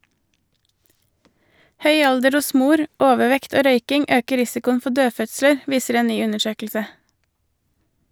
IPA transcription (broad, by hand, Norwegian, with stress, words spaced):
ˈhœʏ ˈɑldəɾ ˈʊs ˈmuːɾ ˈoːʋəˌʋɛkt ˈoː ˈɾœʏkɪŋ ˈøːkə ˈɾɪsɪkʊən ˈfɔ ˈdøːˌfœtsləɾ ˈʋiːsəɾ ˈeːn ˈnyː ˈʉnəˌʃøːkl̩sə